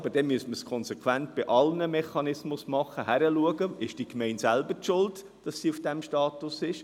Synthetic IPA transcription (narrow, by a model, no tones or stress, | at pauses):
b̥əd̥ɛmyəstməskʰɔnsɛkʰwæntb̥ɪʔɑlnəmɛχɑnɪsmʊsmɑχəɦæɾəluəɡəɪʃd̥ikmɛɪntsælbətʃʊlt | d̥ɑsːiːʊfd̥ɛmʃtɑːt̪ʊsɪʃ